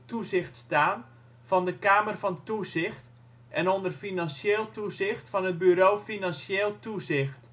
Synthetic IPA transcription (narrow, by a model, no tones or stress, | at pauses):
tuzɪxtstaːn | vɔndəkaːmərfɔntuzɪxt | ʔɛnondərfinansjeːlˠtuzɪxtfɔnət̚byɾoːfinanseːlˠtuzɪxt